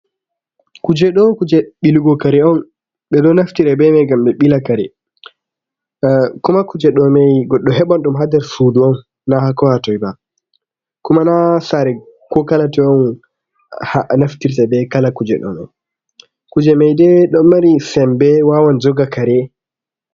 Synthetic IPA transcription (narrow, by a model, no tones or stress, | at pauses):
kud͡ʒɛɗɔkud͡ʒɛɓiluɡɔkaɾɛɔn | ɓɛɗɔnaftiɾabɛmɛɡamɓɛɓilakaɾɛ̰ | kumakud͡ʒɛɗɔmɛjɡɔɗːɔɦɛɓɔnɗumɦadɛɾsuduɔnː | ahakɔhatɔjba | kumanasaɾɛ | kɔkalatɛɔn | hanaftiɾtabɛkalakud͡ʒɛ̰ɗɔ̰nɔ̰n | kud͡ʒɛmɛjdɛɗɔːaɾisɛmbɛwawand͡ʒɔɡakaɾɛ